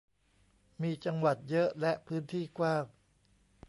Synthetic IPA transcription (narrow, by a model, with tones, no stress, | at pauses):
miː˧t͡ɕa˧ŋwa˨˩t̪̚jɤ˦˥ʔlɛ˦˥ʔpʰɯː˦˥nt̪ʰiː˥˩kwaː˥˩ŋ